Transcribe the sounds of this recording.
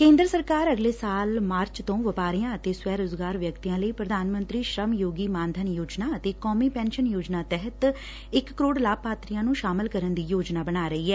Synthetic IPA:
kẽːnd̪ɾəsəɾkaːɾəɡleːsaːlmaːɾt͡ʃt̪õːʋəpaːɾijãːət̪eːsʋɛːɾoːzɡaːɾʋjəkt̪ijãːləiːpɾəd̪ʱaːnmə̃nt̪ɾiːʃɾəmjoːɡiːmãːnd̪ʱənjoːd͡ʒnaːət̪eːkɔːmiːpɛ̃ːnʃənjoːd͡ʒnaːt̪ɛɦət̪ | ɪkkːəɾoːɽlaːpaːt̪ɾijãːnũːʃaːmɪlkəɾənd̪iːjoːd͡ʒnaːbənaːɾəiːɛː

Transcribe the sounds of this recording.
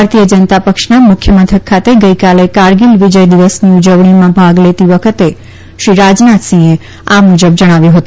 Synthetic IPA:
baɾt̪ijəd͡ʒənət̪apəkʃnamʊkʰjəmə̃nt̪ʰəkʰːat̪eɡəikalekaɾɡilʋid͡ʒəjd̪iʋəsniud͡ʒəʋɳ̃imãbʱaɡlet̪iʋəkʰət̪e | ʃɾiɾad͡ʒnat̪sĩe | amud͡ʒəb̚d͡ʒəɽ̃aʋjũɦət̪u

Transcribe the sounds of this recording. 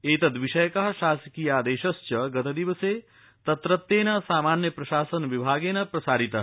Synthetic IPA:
eːt̪ɐd̪ʋiʃɐjkɐɦɐ̆ʃaːsɐkijaːd̪eːʃɐst͡ʃɐɡɐt̪ɐd̪iʋɐseː | t̪ɐt̪ɾɐt̪ːeːnɐsaːmaːnjɐpɾɐʃaːsɐnʋibʱaːɡeːnɐpɾɐsaːɾit̪ɐɦ

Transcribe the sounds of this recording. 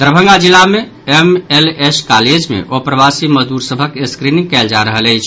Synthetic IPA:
d̪əɾbʱə̃ŋɡad͡ʒilːame | emeleskaled͡ʒmḛʔopɾəbasiməd̪uɾsəbʱəkeskɾinĩŋɡkɛld͡ʒaɾəɦələjt͡ʃʰ

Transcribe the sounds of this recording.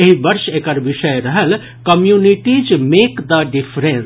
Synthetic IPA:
eɦibəɾsekəɾbiʃəjɾəɦəl | kəmjuniʈid͡ʒmekd̪əɖipʰɾẽn

